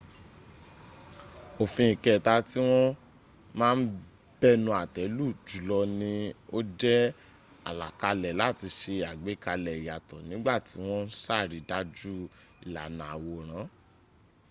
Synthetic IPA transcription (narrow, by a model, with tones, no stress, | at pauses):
o˨fĩ˧ĩ˨kɛ˨ta˧ti˦w̃ɔ̃˦ | mãː˦˧n̩˦ | b̥ɛ˦nũ˧˦a˨tɛ˨˦lu˦˨d͡ʒu˨˦lɔ˧nĩ˦o˦d͡ʒɛ˦ | a̰˨la˨ka˧lɛ˨la˦˨ti˧ʃe˧a˨ɡ͡be˨˦ka˧lɛ˨i˨ja˨tɔ̃˨nĩ˨˦ɡ͡ba˦˨ti˨˦w̃ɔ̃˦n̩˦sa˦˨ɾi˨˦da˧˦d͡ʒu˦ | i˨la̰˨nã˨a˨wo˨ɾ̃ã˨˦